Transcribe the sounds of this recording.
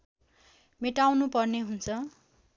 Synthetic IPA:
meʈawnupʌrneɦunt͡sʰʌ

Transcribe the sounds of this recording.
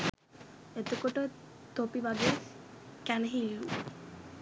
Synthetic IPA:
et̪ukoʈə | t̪opibad̪e | kɛnɦilːu

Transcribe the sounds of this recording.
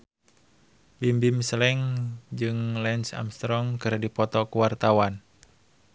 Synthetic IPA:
bimbimslɛŋd͡ʒɨŋlɛnsa̰mst̪ɾɔŋkɨrdipɔt̪ɔkuwart̪awan

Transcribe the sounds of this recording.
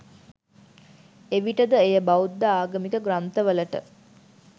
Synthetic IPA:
eʋiʈəd̪əejəbaud̪ːaaːɡəmikəɡɾant̪əʋələʈə̰

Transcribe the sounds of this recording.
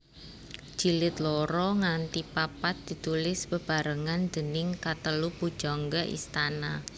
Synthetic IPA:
d͡ʒ̥ilɪt̪lɔɾɔŋant̪ipapat̪̚d̪̥i̤t̪ulɪspəb̥a̤ɾəŋand̪̥ənɪŋkat̪əlupu̥ʒ̥ɔŋɡaʔḭst̪ana

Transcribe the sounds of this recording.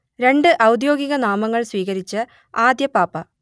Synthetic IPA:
ɾe̞ɳɖɨʔɐwd̪jo̞ːɡiɣɐnaːmɐŋːɐɭswiːɣɐɾit͡ɕːɨ | aːd̪jɐpaːpɐ

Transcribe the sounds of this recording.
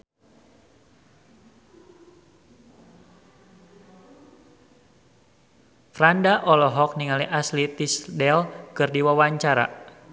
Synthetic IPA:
fɾandaʔɔlɔɦɔk̚niŋaliʔaslit̪isdɛlkɨrdiwawaɲt͡ʃaɾa̰

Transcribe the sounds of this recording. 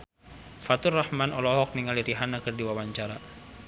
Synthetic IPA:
fat̪ʊrahmanɔlɔɦɔk̚niŋaliɾiɦanakɨrdiwawaɲt͡ʃaɾa

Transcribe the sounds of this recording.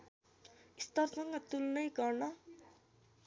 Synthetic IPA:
ist̪ʌrsʌŋɡʌt̪ulnʌjɡʌrnʌ

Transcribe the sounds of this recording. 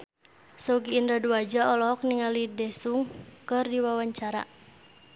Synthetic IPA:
sɔɡiːndɾaduad͡ʒaɔlɔk̚niŋalidɛsuŋkɨrdiwawaɲt͡ʃaɾa̰

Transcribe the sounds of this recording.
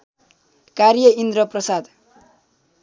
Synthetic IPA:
karjʌind̪ɾʌprʌsad̪

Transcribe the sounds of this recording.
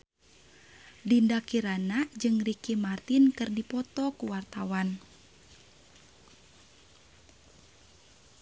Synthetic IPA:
dindakiɾanad͡ʒɨŋrikimart̪inkɨrdipɔt̪ɔkuwart̪awan

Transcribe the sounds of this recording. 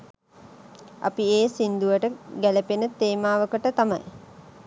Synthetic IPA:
a̰pieːsind̪uʋəʈəɡæləpenət̪ːeːmaːʋəkəʈət̪amɐ̰j

